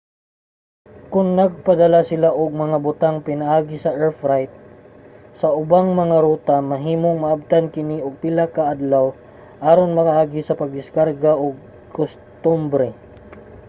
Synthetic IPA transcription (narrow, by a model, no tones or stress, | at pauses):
kʊŋnɐɡ̚pɐd̪ɐlasɪlaʔʊɡ̚mɐŋabʊt̪aŋpɪnaʔaːɡɪsɐʔɛɹfɾajt̪̚ | sɐʔʊbaŋmɐŋaɾuːt̪amɐɦiːmoŋmɐʔab̚t̪ankɪniʔʊɡ̚pɪlakɐʔad̪law | ʔaːɾonmɐkaʔaːɡɪsɐpɐɡ̚d̪ɪskaɾɡaʔʊɡ̚ | kʊs | t̪ʊmbɾɛ